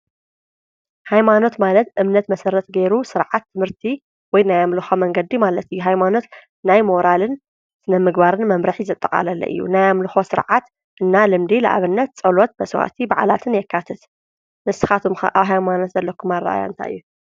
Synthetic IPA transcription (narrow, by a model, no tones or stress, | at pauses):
hajmano̞t̪malɐt̪ʔɨmnɐt̪mɐsɐɾɐt̪ɡeɾusɨɾʕat̪ʰːɨmɨɾt̪ʰi | wɔjnajamlɨxomɐŋɡɐd̪ːimalɐt̪ɨjːuɦajmano̞t̪ | najmoɾalɨn | sɨnɐmɨɡbaɾɨnmɐmɾɨħizɨt̪ʼːɐkʼa̰lɐlːɐ̰ʔɨ̰jːṵnajamlɨxosɨɾʕat̪ | ʔɨnːalɨmd̪ilɐ̰ʔa̰βɨnːɐt̪t͡sʼɐlot̪̚mɐswa̰t̪ʰibaʕa̰lat̪ʰɨnjɛkʰːat̪ʰɐt̪ | nɨsɨ̥xat̪ʰumxɐ̰ʔaβɦajmano̞t̪zɐlːɐkʰːumara̰ʔa̰ja̰ɨnt̪ʰa̰ʔɨ̰jːu